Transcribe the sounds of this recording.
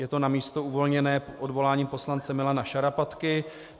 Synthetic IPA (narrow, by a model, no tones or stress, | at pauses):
jɛt̪o̞namiːst̪o̞uvo̞lɲɛnɛːʔodvo̞laːɲiːpo̞slant͡sɛmɪlanaʃaɾapat̪kɪ